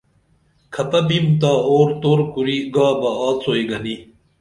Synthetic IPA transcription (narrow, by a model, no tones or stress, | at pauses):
kʰɐpɐbimt̪aːoːɾt̪oːɾkuɾiːɡaːbɐaːt͡soːiɡɐni